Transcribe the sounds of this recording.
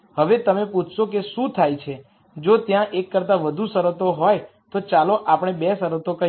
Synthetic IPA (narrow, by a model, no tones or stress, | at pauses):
həʋet̪əmeput͡ʃʰʃokeʃũt̪ʰajt͡ʃʰe | d͡ʒot̪jãʔekːəɾt̪aʋəd̪ʱusəɾət̪oɦoj | t̪ot͡ʃaloʔapɽ̃ebesəɾət̪okə